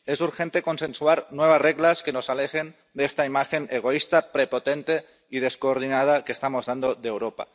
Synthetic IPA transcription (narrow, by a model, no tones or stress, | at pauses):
e̞suɾxe̞nt̪eko̞nsẽ̞nsuaɾnwe̞β̞asreɣlaske̞no̞sale̞xe̞n | d̪eest̪aimaxe̞neɣ̞o̞ist̪apɾepo̞t̪e̞nt̪e̞ | ið̞e̞skoːɾð̞inað̞akeːst̪amo̞zðand̪o̞ðeːwɾo̞pa̰